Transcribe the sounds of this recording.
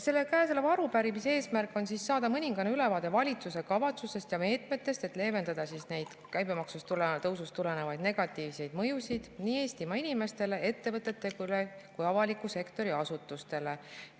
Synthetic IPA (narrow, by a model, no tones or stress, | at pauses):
se̞lːe̞kæːselevɑɾupæɾimisee̞ːsmærkːˑo̞nsisːɑːd̪ɑmɤnʲiŋɡ̥ɑnyle̞vɑːd̪̥e̞vɑlʲit̪suse̞kɑvɑt̪suse̞st̪jɑme̞ːt̪me̞t̪ːˑe̞st̪e̞t̪ˑle̞ːve̞nd̪ɑd̪̥ɑsisne̞jd̪̥kæjbe̞mɑksust̪ulet̪ɤwsust̪ule̞ne̞vɑjd̪ne̞ɡ̥ɑt̪ˑːiːvse̞jd̪̥mɤjusid̪̥niːe̞ːst̪imɑinime̞st̪e̞le̞e̞t̪ːe̞vɤt̪ːˑe̞t̪ːe̞ɡulekujɑvɑlikːˑuse̞kt̪o̞ɾiɑsut̪ːˑust̪e̞le̞